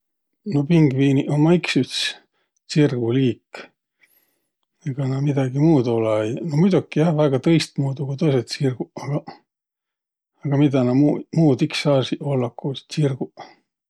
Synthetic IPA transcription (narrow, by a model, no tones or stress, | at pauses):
no̞piŋɡ̥viːniʔomɑiksyt̪s | t͡sirɡuliːk | eɡ̥ɑnɑmid̪̥ɑɡ̥imuːd̪oleejnomud̪ukːijɑhvæɡ̥ɑt̪ɤjst̪̚muːd̪uɡ̥ut̪ojs̬et̪sirɡ̥uɑɡ̥ɑ | ɑɡ̥ɑmid̪̥ɑnɑmumuːd̪iksːɑːsiolːɑkːuːst͡ɕirɡ̥u